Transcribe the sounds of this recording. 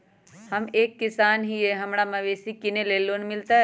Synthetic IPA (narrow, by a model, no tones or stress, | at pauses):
hɐmeːkːɪsaːnɦieɦɐmɽamɐʋeːsikɪneleːloːnmɪlt̪aɦɛ